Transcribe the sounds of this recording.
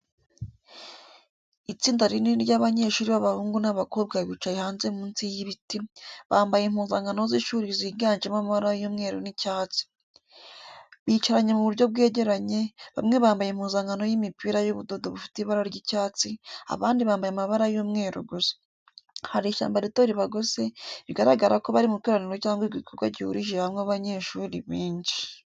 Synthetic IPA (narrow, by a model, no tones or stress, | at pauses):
it͡siːndaɾiniɾɟaβaɲeʃuːɾiβaβahuːŋɡunaβako̞bɡaβiːt͡ʃajehaːnze̞muːnsijiβitiβaːmbajem̥huːnzaːŋɡano̞ziʃuːɾiziːɾɡaːnd͡ʒemamaβaɾajuːmŋe̞ːɾonicaːt͡si̥ | βit͡ʃaɾaɲe̞muβuɾɟo̞b̚ɡe̞ːɟeɾaɲe̞βa̰mŋe̞βaːmbajemhuːnzaŋɡano̞jimipiɾajuβudodoβufi̥tiβaɾaɾɟicaːt͡sia̰βaːndiβaːmbajamaβaɾajuːmŋe̞ːɾṵɡuzḁ | haɾiːʃa̰ːmbaɾitoɾiβaɡoze̞βiɡaɾaɡaɾako̞βaɾimukiɾaniɾwocaːŋɡiɡiikʰoɡwaɟihṵɾiʒeβamŋaβaɲe̞ʃuːɾiβiːɲɟi